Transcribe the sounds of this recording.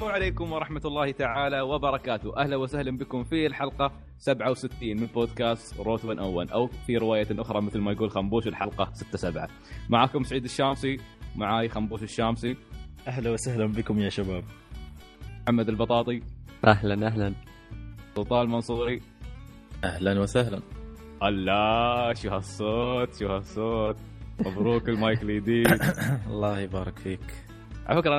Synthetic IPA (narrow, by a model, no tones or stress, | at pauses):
faʕaleːkʊmwɑɾˤɑħmat̪lˤːɑːhit̪aʕaːlawɪbɑɾˤɑkaːt̪ʊʔahlawasahlambɪkʊmfilħɑlqɑ | sabʕawsɪt̪ːiːnmɪlboːd̪kaːst̪ɾoːt̪wɪnʔawːa̰lʔawfiɾɪwaːjaʔʊxɾˤɑmɪθlmajaɡuːlxambuːʃɪlħɑlqɑsɪt̪ːasabʕa̰ | maʕaːkʊmsaʕiːd̪ɪʃːaːmsimaʕaːjxambuːʃɪʃːaːmsiʔaɦlawasahlanbɪkʊmjaːʃabaːb̚ | mħamːad̪albɑt̪ˤɑːt̪ˤiʔahlanʔaɦlan | sˤuːt̪ˤɑːlmɑnsˤuːɾi | ʔahlanwɪsahlanʔalːaʃuːhasːoːt̪ʃuhasˤːoːt̪̚ | mabɾuːkɪlmaːjkliːd̪iːɑlˤːɑːhibɑːɾˤɑkfiːk | ʔaʕʔafɪkɾˤʔ